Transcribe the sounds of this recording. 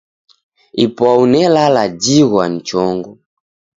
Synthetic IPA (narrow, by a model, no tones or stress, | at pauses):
ipaunɛlalad͡ʒiɣwan̩t͡ʃɔŋɡɔ